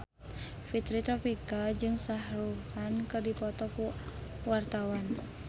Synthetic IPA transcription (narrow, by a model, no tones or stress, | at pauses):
fit̪ɾit̪ɾɔpikad͡ʒɨŋsahɾukankɨrdipɔt̪ɔkuwart̪awan